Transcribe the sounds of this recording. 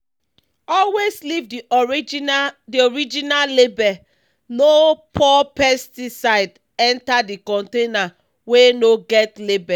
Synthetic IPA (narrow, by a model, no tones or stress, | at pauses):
ɔlweslivdi | dioɹid͡ʒinalebɛ | nopʰɔpɛstisaɪd | ɛ̃ntadikɔ̃ntena | wenoɡɛtlebɛ